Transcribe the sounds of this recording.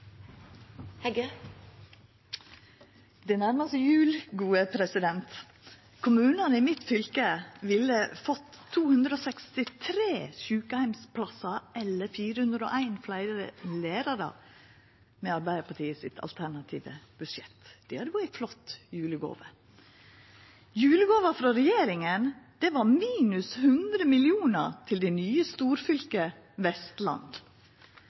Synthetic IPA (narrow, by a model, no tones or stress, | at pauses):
hɛɡə | d̪ɛnæɾməst̪əjʉːlɡuːəpʰɾɛsɪd̪ɛnt̪ | kʰʊmʉːnənəimɪt̪fʏlkəʋɪlːəfɔt̪ʰːuːhʉnd̪ɾəoːsɛkst̪ɪt̪ʰɾeːsʉːkəhæɪmspʰlɑsɑʔɛlːəfiːɾəhʉnd̪ɾəo̰ːʔæɪnflæɪɾəɾə̰leːɾɑɾɑ̰ | mɛɑɾbæɪəpʰɑʈʰiːəsɪt̪ʰɑ̰lt̪ʰæɳɑt̪ʰḭːʋə̰b̥ʉʃɛt̪d̪̥ɪhɑd̪əbuæɪflɔt̪ːjʉːləɡo̰ːʋə | jʉːləɡoːʋəfɾɑɾɛjeːɾɪŋənd̪̥ɛʋɑɾmiːnʉshʉnd̪ɾəmɪlɪuːnət̪ʰɪld̪ænyːəst̪uːɾfʏlkə | ʋɛst̪lɑ̰nd̪